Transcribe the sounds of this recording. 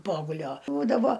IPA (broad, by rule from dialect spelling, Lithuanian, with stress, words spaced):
ˈpoːɡʊlʲoː ˈbuːdɐʋoː